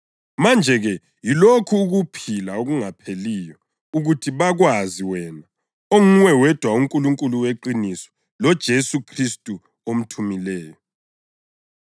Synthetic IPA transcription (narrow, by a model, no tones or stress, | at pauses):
mand͡ʒʱɛɣɛ | jilokʰuːɣupʰilaoɣuŋapʰeliːjɔ | uɣutʰiβaɣwaziwɛna | oŋuŋwɛwɛd̥ʱwauŋkʼuluŋkʼuluweǃinisɔ̥ | lɔd̥ʒ̥ʱesukʰristʼu | om̩tʰumilɛːjɔ